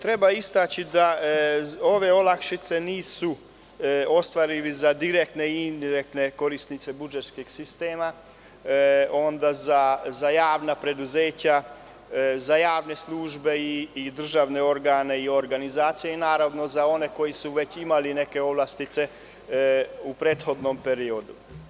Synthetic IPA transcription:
t̪ɾe̞baist̪at͡ɕid̪a | o̞ʋe̞o̞lakʃit̪se̞niːsu | o̞st̪ʋaɾiʋizad̪iɾek̚t̪ne̞ind̪iɾek̚t̪ne̞ko̞ɾist̪nit̪se̞bud͡ʒet̪skiɡsist̪eːma | o̞nd̪azazajaːʋnapɾe̞d̪uzeːt͡ɕa | zajaːʋne̞sluːʒbe̞iːd̪r̩ʒaʋne̞o̞ɾɡaːne̞io̞ɾɡanizaːt̪sijeinaːɾaʋno̞zao̞ne̞ko̞jisuʋe̞t͡ɕimaline̞ke̞o̞ʋlast̪it̪se̞ | upɾeːt̪xo̞d̪no̞mpe̞ɾio̞d̪u

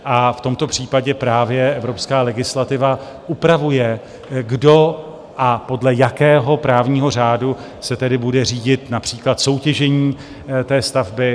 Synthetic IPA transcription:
ʔaft̪o̞mt̪o̞pr̝̥iːpaɟɛpɾaːvjɛɛvɾo̞pskaːlɛɡɪslat̪ɪva | ʔupɾavujɛ | ɡdo̞ | ʔapo̞dlɛjakɛːɦo̞pɾaːvɲiːɦo̞r̝aːdu | sɛt̪ɛdɪbudɛriːɟɪt̪napr̥iːklat̪so̞wcɛʒɛɲiː | t̪ɛːst̪avbɪ

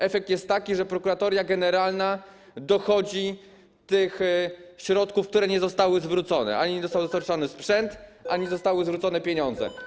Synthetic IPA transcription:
ɛfɛk̚t̪jɛst̪ːakʲiʐɛpɾɔkuɾat̪ɔɾʲjaɡɛnɛɾalna | d̪ɔxɔd͡ʑi | t̪ɘxɕɾɔt̪kufk̚t̪uɾɛɲɛzɔst̪awɘzvɾut̪sɔnɛ̰ʔaɲiɲɛd̪ɔst̪awd̪ɔst̪aɾt͡ʂɔnɘspʂɛnt̪ʔaɲɛzɔst̪awɘzvɾut̪sɔnɛpʲjeɲɔnd̪zɛ̰

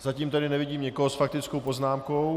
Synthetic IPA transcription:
z̥aciːmt̪ɛdɪnɛvɪɟiːmɲɛkoɦosfak̚t̪ɪt͡skowpo̞znaːmkow

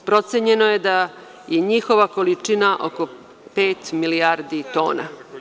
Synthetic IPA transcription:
pɾo̞t̪seɲe̞nojed̪a | jeɲixo̞ʋako̞lit͡ʂinaʔo̞̰ko̞ | peːt̪milijaɾd̪it̪o̞̰ːna̰

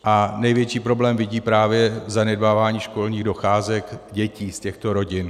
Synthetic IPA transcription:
ʔanɛjvjɛt͡ʃiːpɾo̞blɛːmvɪɟiːpɾaːvjɛzanɛd̚baːvaːɲiːʃko̞lɲiːɣdo̞xaːzɛkɟɛciːscɛxt̪o̞ɾo̞ɟɪn

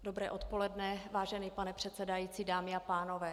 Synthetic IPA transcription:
do̞bɾɛːʔo̞t̪po̞lɛdnɛvaːʒɛnipanɛpr̝̥ɛt̪sɛdajiːt͡siːdaːmɪapaːno̞vɛː

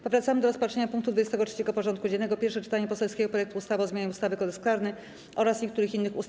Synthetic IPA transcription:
pɔvɾat̪samɘd̪ɔɾɔspatʂeɲapuŋkt̪ud̪vud͡ʑest̪ɛɡɔt͡ʂʂɛ̥t͡ɕɛɡɔpɔʐɔnt̪̚kud͡ʑɛnɛɡɔpʲjɛɾfʂɛt͡ʂɘ̥t̪aɲɛpɔsɛlskʲɛɡɔpɾɔjɛk̚t̪uust̪avɔzmjaɲɛust̪avɘkɔd̪ɛsklaɾnɛ | ʔɔɾasɲekt̪uɾɘxinːɘxus

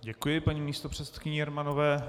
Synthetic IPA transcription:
ɟɛkujɪpaɲiːmiːst̪opr̝̥ɛt̪sɛt̪̚kɪɲɛɛɾmanovɛː

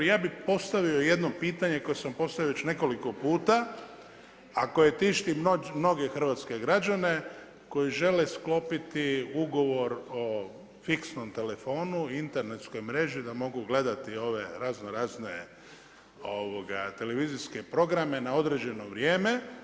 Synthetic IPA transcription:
jaːbipo̞st̪aʋio̞je̞d̪no̞piːt̪aɲe̞ko̞jesampo̞st̪aʋijoet͡ʃne̞ko̞liko̞puːt̪a | ako̞je̞t̪iʃt̪immno̞ɡe̞xr̩ʋat̪ske̞ɡɾad͡ʑane̞ | ko̞jiʒe̞le̞sklo̞pit̪iuɡo̞ʋo̞ɾo̞ | fiksno̞mt̪e̞le̞fo̞ːnuint̪e̞ɾne̞t̪sko̞jmɾe̞ʒid̪amo̞ɡuɡle̞d̪at̪io̞ʋe̞ɾaznoɾaːznḛ | oʋoɡa̰t̪e̞le̞ʋiziske̞pɾo̞ɡɾame̞nao̞d̪ɾe̞d͡ʑe̞no̞ʋɾje̞ːme̞

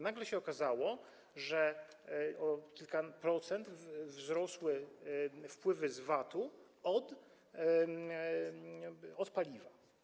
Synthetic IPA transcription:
naɡlɛɕɛɔkazawɔ | ʐɛ | ɔkʲilkapɾɔt̪sɛnt̪vzɾɔswɘ | fpwɘvɘzvat̪u | ɔd̪ | ɔt̪palʲiva

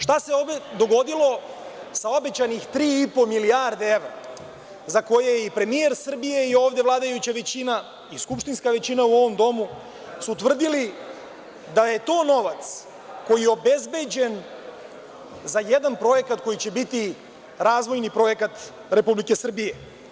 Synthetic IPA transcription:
ʃt̪aseobed̪o̞ɡo̞d̪ilˠo | sao̞be̞t͡ɕanixt̪ɾiːipo̞miliaɾd̪ee̞ʋɾa̰ | zako̞jejipɾe̞mie̞ɾsr̩bije̞io̞ːvd̪e̞vlˠaːd̪ajut͡ɕaʋe̞t͡ɕina | iskupʃt̪inskaʋe̞t͡ɕinauo̞ʋo̞md̪o̞mu | sut̪ʋr̩d̪ili | d̪aje̞t̪o̞ːno̞ʋat̪s | ko̞jijeo̞be̞zbe̞d͡ʑe̞n | zajed̪anpɾo̞je̞kat̪ko̞jit͡ɕe̞bit̪i | ɾaːzʋo̞jnipɾo̞je̞kat̪ | ɾe̞publike̞sr̩bije

